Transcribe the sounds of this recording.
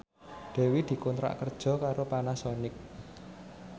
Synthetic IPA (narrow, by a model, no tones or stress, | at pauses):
d̪̥ɛ̤wid̪̥i̤kɔnt̪ɾa̰ʔkərd̥ʒ̥ɔ̤kaɾopanasɔnɪk̚